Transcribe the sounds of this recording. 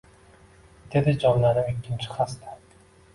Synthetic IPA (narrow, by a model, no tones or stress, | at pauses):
d̪̥e̞d̪ɪd͡ʒɒnlaɾɪmikʲʰːɪnt͡ʃʰɪ̥χast̪ʰḁ